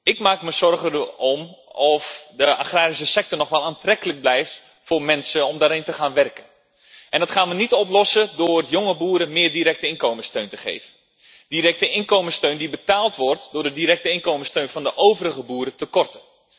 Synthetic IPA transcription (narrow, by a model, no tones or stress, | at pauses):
ɪkmaːkməzɔrɣəɔmɔfdəʔa̰xraːɾisəsɛk̚tɔrnɔχʋɛlˠaːntrɛkələɡ̚blɛjft | fʊːrmɛnsəɔmdaːɾɪntəχaːnʋɛrkən | ʔɛndɑtχaːnʋənitɔp̬lɔsədʊːrjoŋəbuːɾəmɪːrdiɾɛk̚təɪnkoːməstøɥntəχḛjvə | d̥iɾɛk̚təʔɪnkowməstøɥndibətaːlˠtʋɔrtdʊːrdədiɾɛk̚təɪnkowməstøɥnfɑndəʔowvəɾəɣəbuːɾətəkɔrtə